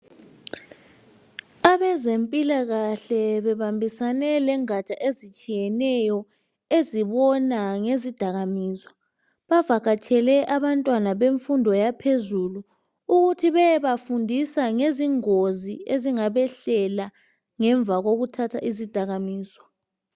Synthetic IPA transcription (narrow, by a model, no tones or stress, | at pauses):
aβɛzempʼilaɣaɬɛβɛβambʱisanɛlɛŋat͡ʃʼaʔezit͡ʃʼijɛnɛjɔ | eziβɔnaŋezid̥ʱaɣamiːza | βavak̬at͡ʃʼʰɛlɛʔaβantʼwanaβeɱfundʱɔjapʰezulu | uɣutʰiβɛβafundʱisaŋeziŋozieziŋaβɛɬɛla | ŋɛɱb̪vʱaɣoɣutʰatʰaʔizid̥ʱaɣamiːsɔ̥